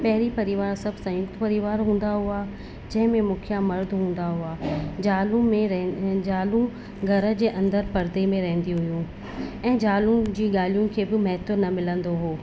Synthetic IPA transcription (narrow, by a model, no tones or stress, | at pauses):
pɛɦɪɾipɐɾɪʋaːɾsɐbʱsãjʊkt̪pɐɾɪʋaːɾɦũːn̆d̪aɦua | d͡ʑɐ̃ɦɪ̃mẽmũkʰijamɐɾd̪ʱɦũːn̆d̪aɦuaːd͡ʑaːlũmẽd͡ʑaːlũ | ɡʱɐɾə̆d͡ʑeːʔɐ̃nd̪əɾpɐɾd̪emẽɾɐɦə̃nd̪ijũɦʊjũ | ɛ̃ːd͡ʑaːlũd͡ʑiːɠaːlijũkʰeːbɪmɐɦɪt̪nɐmɪlə̃nd̪oɦoː